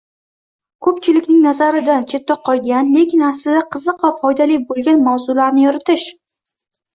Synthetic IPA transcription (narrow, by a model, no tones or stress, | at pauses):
kʰɵpt͡ʃʰɪlɪkʲnɪŋnazaɾɪd̪ant͡ʃʰe̞t̪ːɒqʰːɒjɡʲanle̞kʲʰɪnaslɪd̪aqʰɨzɨqvafɒjd̪alijbolˠɡʲanmawzulaɾnɪjɒɾɪt̪ʰɪʃ